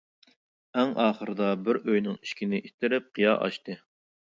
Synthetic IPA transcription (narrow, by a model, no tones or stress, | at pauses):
æŋɑːχəɾɨd̪ɑbɪɾøjnɪŋi̥ʃkʲinɪʔit̪ʰɪɾɪp̚qʰijɑ̰ʔɑ̰ʃt̪ɨ